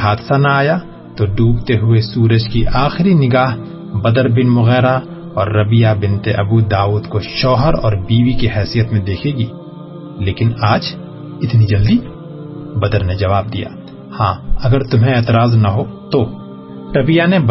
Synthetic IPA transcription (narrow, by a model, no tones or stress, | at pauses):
ɦaːd̪sanaaːja | t̪oɖuːbt̪eɦʊesuːɾəd͡ʒkiʔaːxɪɾinɪɡaːɦ | bɐd̪əɾbɪnmʊɣɛːɾa | ɔːɾːɐbɪjabɪ̃nt̪eʔɐbuaːuːd̪koʃɔːɦəɾɔ̰ːɾbiːwikiɦɛːsijət̪mẽd̪eːkʰeːɡiː | leːkɪnaːd͡ʒ | ɪt̪nid͡ʒɐld̪i | bɐd̪əɾned͡ʒɐʋaːb̚d̪ija̰ː | hãːɐɡəɾt̪ʊmɦẽeːt̪ɪɾaːznɐɦot̪o | ɾɐbɪjaneb